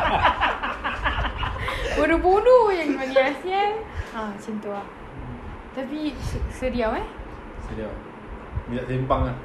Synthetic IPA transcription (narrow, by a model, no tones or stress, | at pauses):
bunubunujaŋmaniasianãt͡ʃint̪oaʔ | t̪apisədiawɛ | sədiaw | midaʔsempaŋa